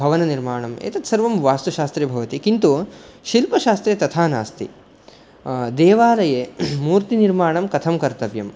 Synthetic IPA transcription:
bʱɐʋɐnɐniɾmaːɳɐmḛːt̪ɐt̪sɐɾʋɐmʋaːst̪uʃaːst̪ɾebʱɐʋɐt̪ikint̪uʃilpɐʃaːst̪ɾet̪ɐt̪ʰaːnaːst̪ḭ | d̪eːʋaːlɐjeːmuːɾt̪iniɾmaːɳɐmkɐt̪ʰɐmkɐɾt̪ɐʋjɐm

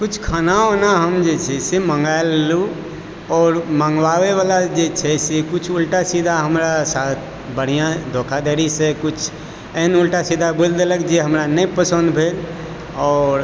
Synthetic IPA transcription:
kʊt͡ʃʰkʰaːnaonaɦəmd͡ʒet͡ʃʰɛsemə̃ŋɡaelːu | ɔːɾmə̃ŋɡʋaʋeʋalad͡ʒet͡ʃʰɛsekʊt͡ʃʰulʈasid̪ʱaɦəmɾasaːt̪ʰ | bəɽ̤ijãd̪ʱokʰad̪əɾisẽkʊt͡ʃʰ | eɦnulʈasid̪ʱabold̪eləkd͡ʒeɦəmɾanəipəsə̃nd̪bʱel | ɔːɾ

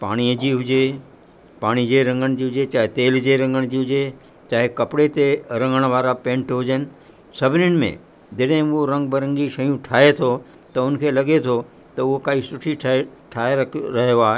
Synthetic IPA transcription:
pa̰ːɽ̃iəd͡ʑiːɦʊd͡ʑe | paːɽ̃id͡ʑeɾɐ̃ŋɡəɽ̃d͡ʑiːɦʊd͡ʑet͡ɕaːɦet̪eːld͡ʑeɾɐ̃ŋɡəɽ̃d͡ʑiːɦʊd͡ʑe | t͡ɕaːɦekɐpɪɽet̪eɾɐ̃ŋɡəɽ̃ʋaːɾapẽːɳʈɦʊd͡ʑənɪ̆ | sɐbʱɪnɪɽ̃ɪ̆mḛ̃ | d͡ʑeɗɦɪ̃ʊɦoɾɐ̃ŋɡ̚bɐɾə̃ŋɡiʃɐjũʈʰaːet̪ʰo | t̪ɐʊn̆kʰeːlɐɠet̪ʰo | t̪ɐʊɦokaːisʊʈʰiʈʰʈʰaːeɾɐkʰɾɐɦijoaːɦe

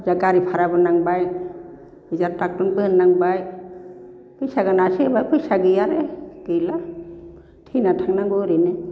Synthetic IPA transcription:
zaɡaɾipʰaɾabɯnaŋbaj | bɯzaɾtak̚tunbɯnːaŋbaj | pɯjsaɡɯnasebajpɯjsaɡɯjaɾeɡ̥ɯjla | tʰinatʰaŋnaŋɡɯɾɯnɯ

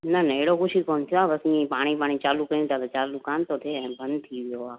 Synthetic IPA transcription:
nənəeːɽokut͡ʃʰikoːnt̪ʰijoaːbəsnĩpaːɽ̃ipaːɽ̃it͡ʃaːlũkəɾjũt̪at̪ot͡ʃaːlũkãːnt̪ot̪ʰeɛ̃bənt̪ʰiʋjoaː

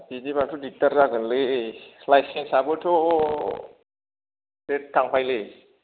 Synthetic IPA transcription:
bidimatʰudik̚taɾzaɡɯnlɯlajsensabɯtʰo | det̚kaŋpʰajlɯ

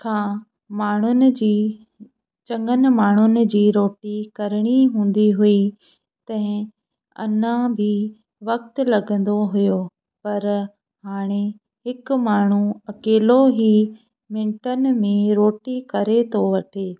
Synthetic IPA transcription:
kʰãː | maːɳ̤ʊnɪ̆d͡ʑiː | t͡ɕɐ̃ŋɡənɪ̆maːɳ̤̃ʊnɪ̆d͡ʑiːɾoːʈikɐɾɪɽ̃iɦũːn̆d̪iɦʊi | t̪ɐ̃ɦɪ̃ | ɐ̰nãbʱɪ | ʋɐk̚t̪̆lɐɡə̃nd̪oɦʊjo | pɐɾ | ɦaːɽ̃e | ɦɪk̆maːɳ̤uɐkeːloɦiː | mɪ̃ɳʈənɪ̆mẽɾoːʈikɐɾet̪ʰoʋɐʈʰeː

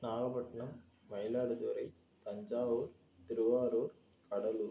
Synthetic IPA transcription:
naːɣɐpɐʈːɐɳɐmː | ɐjlaːɽɯt̪ʊɐɾɐɪ | t̪ɐɲd͡ʒaːʋuːɾ | t̪ɪɾɯʋaːɾuːɾ | kɐɽɐluːɾ

